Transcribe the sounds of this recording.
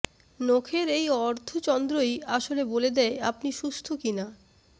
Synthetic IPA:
nokʰeɾejɔɾd̪ʱot͡ɕɔnd̪ɾojaʃoleboled̪ɛea̰pniʃust̪ʰokina

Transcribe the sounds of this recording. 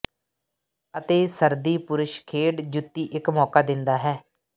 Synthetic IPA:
ət̪eːsəɾd̪iːpʊɾʊʃkʰeːɽd͡ʒʊt̪ːiːʔɪkmɔːkaːd̪ɪnd̪aːɦɛː

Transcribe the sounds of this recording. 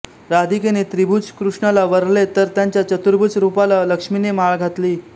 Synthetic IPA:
ɾad̪ikenet̪ɾibʱut͡skɾuʂɳalaʋəɾlet̪əɾt̪jaɲt͡ɕjat͡ɕət̪uɾbʱut͡sɾupalaləkʂminemaɭɡʱat̪liː

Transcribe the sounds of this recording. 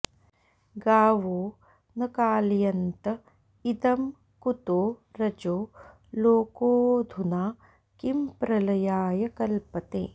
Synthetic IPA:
ɡaːʋoː | nɐkaːljɐnt̪ɐ | id̪ɐm | kut̪oːɾɐd͡ʒoː | loːkoːd̪ʱunaː | kimpɾɐlɐjaːjɐkɐlpɐt̪ḛː

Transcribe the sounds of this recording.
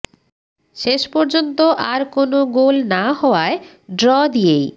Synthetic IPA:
ʃeʃpɔɾd͡ʑont̪oʔaɾkonoɡolnaɦɔoae | ɖɾɔd̪ijej

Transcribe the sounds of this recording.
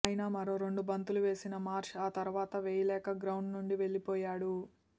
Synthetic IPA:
ɐjinɐmɐɾoːɾeɳɖubɐnt̪uluʋe̞ːsinɐmaːɾʂaːt̪ɐɾuʋaːt̪ɐʋeːjɐlɛːkɐɡɾɐwɳɖnuɳɖiʋe̞ɭːipɔːjaːɽu

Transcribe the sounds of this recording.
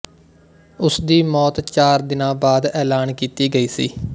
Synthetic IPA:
ʊsd̪iːmɔːt̪t͡ʃaːɾd̪ɪnãːbaːd̪ɛːlaːnkiːt̪iːɡəiːsḭː

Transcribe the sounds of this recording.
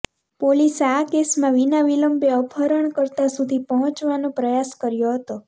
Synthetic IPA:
poliseakesmãʋinaʋiləmbeəpʰəɾəɳkəɾt̪asud̪ʱipəɦə̃t͡ʃʋanõpɾəjaskəɾjoɦət̪o

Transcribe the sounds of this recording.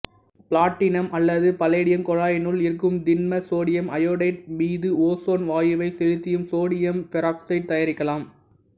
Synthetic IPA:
pɪlaːʈːɪnɐmʔɐlːɐðɯpɐleːɽɪjɐmkɔɻaːjɐnɯlɪɾɯk̬ːɯmd̪ɪnmɐsoːɽɪjɐmɐjoːɽɐɪʈ̚miːðɯoːsoːnʋaːjɯʋɐɪsɛɻɯt̪ːɪjɯmsoːɽɪjɐmfɛɾaːksɐɪɖ̚t̪ɐjɐɾɪkːɐlaːm

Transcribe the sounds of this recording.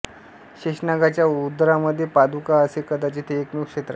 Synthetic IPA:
ɕeʂnaɡat͡ɕjaud̪ɾaməd̪ʱːjepad̪ʱukaəsekəd̪at͡ɕit̪ʰeːknukʂet̪ɾə̰

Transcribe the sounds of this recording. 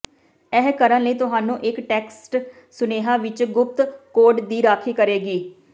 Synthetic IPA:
ɛːkəɾənləiːt̪ʊɦaːnũːʔɪkʈɛːksʈ | sʊneːɦaːʋɪt͡ʃɡʊp̚t̪koːɾɖd̪iːɾaːkʰiːkəɾeːɡiː

